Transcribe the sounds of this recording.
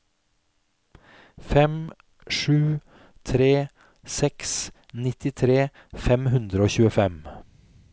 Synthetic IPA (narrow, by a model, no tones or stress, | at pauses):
fɛm | ʂʉː | t̪ʰɾeː | sɛks | nɪt̪ɪt̪ʰɾeː | fɛmhʉnd̪ɾəoːçʉːəfɛm